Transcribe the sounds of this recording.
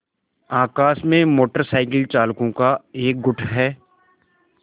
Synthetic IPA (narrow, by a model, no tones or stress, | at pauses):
aːkaːsmẽmoːʈəɾsaːɪkɪlt͡ʃaːlkõkaeːk̚ɡʊʈʰɦɛː